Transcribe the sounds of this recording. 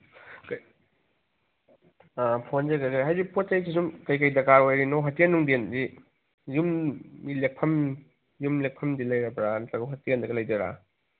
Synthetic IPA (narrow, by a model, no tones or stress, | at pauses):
k | pʰonzeɡɐkajɦajdipʰot͡ʃajs̬ʰisumkɐjkɐjdɐkaɾojɾinoɦɐtienːuŋdendi | jummilek̚pʰɐm | jumlek̚pʰɐmdilɐjɾɐbɾantɐɡɐwɦɐtiendɐɡɐlɐjdɐɾa̰